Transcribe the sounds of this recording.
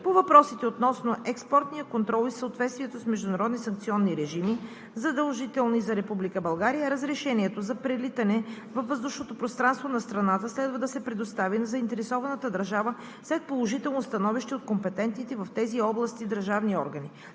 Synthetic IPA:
povɐpɾɔsit̪ɛot̪nɔsnoʔɛkspɔɾt̪nijəkont̪ɾɔlˠisəot̪vɛt̪st̪viɛt̪osmɛʒd̪ʊnɐɾɔd̪nisɐŋkt̪siɔnːiɾɛʒimi | zɐd̪ɐlˠʒit̪ɛlˠnizɐɾɛpublikəbɐlˠɡaɾijəɾəzɾɛʃɛniɛt̪ozɐpɾɛlit̪ɐnɛ | vɐfːəzd̪uʃnot̪opɾost̪ɾanst̪vonɐst̪ɾɐnat̪əslɛd̪vəd̪ɐsɛpɾɛd̪ost̪avinɐzɐint̪ɛɾɛsɔvɐnət̪əd̪ɐɾʒavə | slɛt̪̚polˠoʒit̪ɛlˠnost̪ɐnɔviʃt̪ɛot̪̚kompɛt̪ɛnt̪it̪ɛvɐft̪ɛziɔblˠəst̪id̪əɾʒavniɔɾɡəni

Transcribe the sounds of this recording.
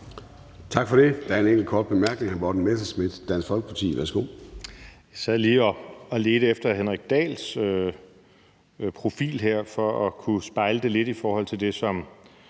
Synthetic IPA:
t͡sʰɑ̈ɡ̥fɒɾe̝d̥ææɐe̝neŋ̰ɡl̩kʰɒːd̥̚b̥e̝mæɐɡ̥ne̝ŋhænbɒ̰ːdn̩mesɐsmid̥d̥ænsfɒ̽lɡ̥əpʰɑt͡sʰḭːʋæɐsɡ̥o̝̰ː | jsæð̰ˠliːɒɒle̝ːd̥əefd̥ɐɦenʁaɡ̥̚d̥ɛ̰ːlsø | pʰʁo̝fḭːlɦeɐ̰fɒ̽ɒkʰusb̥ɑ̈ɪləd̥e̝le̝d̥ifɒːhɒ̽l̰t͡sʰe̝ld̥e̝sɒ̽m

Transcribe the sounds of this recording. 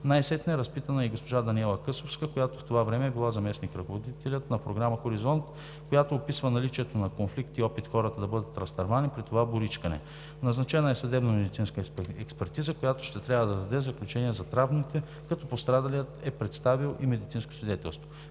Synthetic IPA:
najsɛt̪nəɛɾɐspit̪ənəiɡospoʒad̪ɐniɛlˠəkɤsofskəkojat̪oft̪ovavɾɛmɛbilˠazɐmɛsnikɾɐkovod̪it̪ɛlʲət̪nɐpɾoɡɾaməxoɾizɔnt̪ | kojat̪oːpisvənɐlit͡ʃiɛt̪onɐkonflikt̪iɔpit̪xɔɾət̪əd̪ɐbɤd̪ət̪ɾɐst̪ɐɾvanipɾit̪ovabʊɾit͡ʃkɐnɛ̰ | nɐznɐt͡ʃɛnəɛsɐd̪ɛbnɐmɛd̪it̪sinskəɛkspɛɾt̪izəkojat̪o̥ʃt̪ɛt̪ɾʲavəd̪ɐd̪ɐd̪ɛzɐklʲut͡ʃɛniɛzɐt̪ɾavnit̪ɛ | kɐt̪ɔpost̪ɾad̪ɐliət̪ɛpɾɛt̪st̪avilˠimɛd̪it̪sinsko̥svʲid̪ɛt̪ɛ̰lˠst̪vo

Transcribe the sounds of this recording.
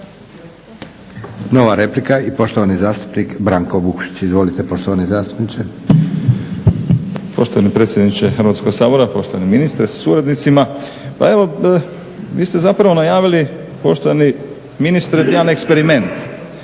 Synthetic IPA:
no̞ʋaɾe̞plikaipo̞ʃt̪oʋanizaːst̪u̥pnikbɾaŋko̞bukʃi̥t͡ɕizʋo̞lit̪epo̞ʃt̪oʋanezaːst̪u̥pnit͡ʃe | po̞ʃt̪oʋanepɾe̞t̪sje̞d̪nit͡ʃexrɾʋat̪ko̞ɡsaːbo̞ɾapo̞ʃt̪o̞ʋaneminist̪ɾessuɾad̪nit̪sima | pa̰e̞ʋo̞ | ʋiːst̪e̞zapɾaʋonajaːʋili | po̞ʃt̪oʋani | minist̪ɾejaːnekspeɾime̞nt̪

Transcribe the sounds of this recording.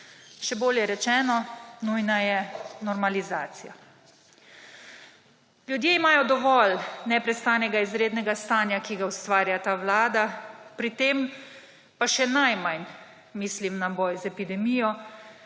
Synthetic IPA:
ʃɛboːljɛɾɛt͡ʃɛːnɔnujnajɛnɔɾmalizaːt̪sija | lʲjud̪jeimaːjɔd̪ɔʋɔlnɛpɾɛst̪aːnɛɡaizɾeːd̪nɛɡast̪aːnjakiɡaust̪ʋaːɾjat̪aːʋlaːd̪apɾit̪em | paʃɛnajmajn | miːslimnabɔːjzɛpid̪ɛmijɔ

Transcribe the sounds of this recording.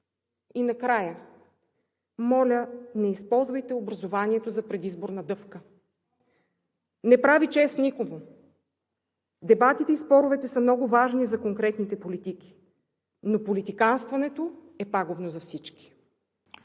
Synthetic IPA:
inɐkɾajə | mɔlʲənɛispɔlˠzvɐjt̪ɛobɾɐzovaniɛt̪ozɐpɾɛd̪izboɾnɐd̪ɤfkə | nɛpɾavit͡ʃɛsnikoɡo | d̪ɛbat̪it̪ɛispɔɾʊvɛt̪ɛsəmnɔɡʊvaʒnizɐkoŋkɾɛt̪nit̪ɛpolit̪ik̟i̥ | nopolit̪ikanst̪vɐnɛt̪o | ɛpaɡobnozɐfsit͡ʃki̥

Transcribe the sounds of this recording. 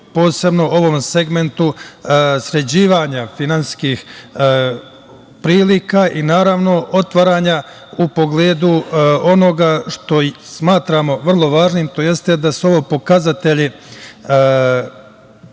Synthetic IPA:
po̞ːse̞bno̞ʔo̞ʋo̞mse̞ɡme̞nt̪u | sɾe̞d͡ʑiːʋaɲafinanskiːx | pɾiːlikaːʔinaːɾaʋno̞ʔo̞t̪ʋaɾaːɲa | upo̞ɡle̞ːd̪uo̞no̞ɡaʃt̪o̞smaːt̪ɾamo̞ʋr̩lˠo̞ʋaːʒniːmt̪o̞je̞st̪e̞d̪asuo̞ʋoːpo̞kazat̪e̞ʎi

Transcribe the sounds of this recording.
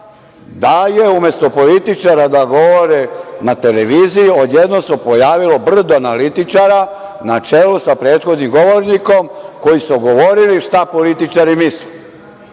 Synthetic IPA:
d̪ajeume̞st̪o̞po̞lit̪it͡ʃaɾad̪aɡo̞ʋoɾenat̪e̞leʋiːzijiod̪jed̪nosepojaːʋilo̞br̩d̪oanalit̪it͡ʃaɾa | nat͡ʃelusapɾe̞ːt̪xo̞d̪nimɡo̞ʋoɾniko̞mko̞jisuɡo̞ʋo̞ɾiliʃt̪apo̞lit̪it͡ʃaɾimislu

